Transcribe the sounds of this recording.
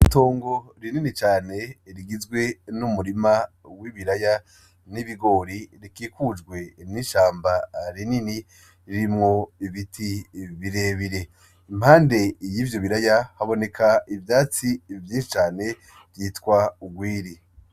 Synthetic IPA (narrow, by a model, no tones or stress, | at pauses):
ito̞ːŋɡo̞ɾininit͡ʃaːne̞ɾiɡizɡwe̞numuɾima | wiβiɾaja | niβiɡo̞ːɾiɾikiːkud͡ʒɡwe̞niʃaːmbaɾinini | ɾiɾimŋo̞iβitʰiβiɾe̞βiɾe̞ | im̥haːnde̞jiːvjo̞βiɾajahaβo̞ne̞kʰaivjaːt͡sivjiːnʃit͡ʃaːne̞ | vjiːtkwauɡwiːɾi